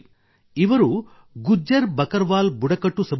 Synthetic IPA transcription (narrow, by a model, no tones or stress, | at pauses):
iʋɐɾu | ɡud͡ʒːɐɾbɐkɐɾʋaːlbuɽɐkɐʈːusɐb